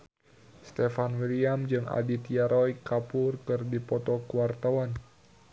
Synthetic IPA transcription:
st̪efanwiɾiamd͡ʒɨŋa̰dit̪jaɾʔɔjkapʊrkɨrdipɔt̪ɔkəwart̪awan

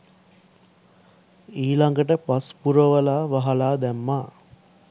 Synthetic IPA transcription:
iːlaŋɡəʈəpaspuɾəʋəlaːʋaɦalaːd̪æmːaː

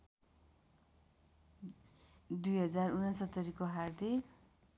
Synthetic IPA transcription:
d̪ujɦʌd͡zarunʌnsʌt̪ːʌɾikoɦard̪ʱik

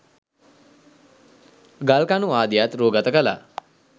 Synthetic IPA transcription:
ɡalkanuʋaːd̪ijat̪ɾoːɡat̪əkəla̰

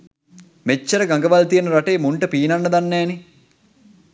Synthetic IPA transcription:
met͡ʃːəɾəɡaŋɡəʋalt̪ijənəɾaʈeːmuɳʈəpiːnanːəd̪anːɛːni

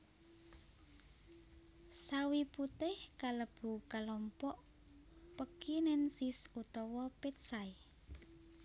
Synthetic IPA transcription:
sawiput̪ɪhkaləb̥ṳkalɔmpɔʔ | pəkinɛnsisut̪ɔwɔpet̪̚sai

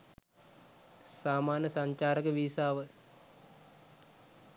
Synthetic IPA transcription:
saːmaːnjəsɐɲt͡ʃaːɾəkəʋiːsaːʋə

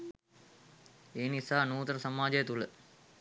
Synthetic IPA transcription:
eːnisaːnuːt̪əɾəsɐmaːd͡ʒəjət̪ulə

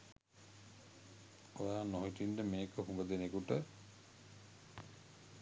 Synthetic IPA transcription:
ojaːnɔɦiʈiɳɖəmeːkəɦũɡəd̪enekuʈə

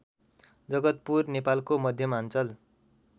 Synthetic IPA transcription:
d͡zʌɡʌt̪̚purnepalkomʌd̪ʱjʌmant͡sʌl

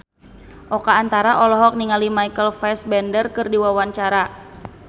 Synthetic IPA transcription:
ʔɔkaːnt̪aɾaʔɔlɔɦɔk̚niŋalimajkəlfɛsbɛndərkɨrdiwawaɲt͡ʃaɾa

